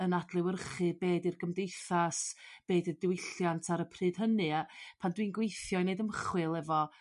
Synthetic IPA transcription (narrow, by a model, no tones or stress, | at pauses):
ənad̥lˠɪwərχɨbeːdirɡəmdejθasb̥eːdədɪwɪjɬjantʰaɾəpʰrɨːd̥ɦənɨapʰandwiːnɡwejθjɔneɨdəmχwɨlˠɛvɔ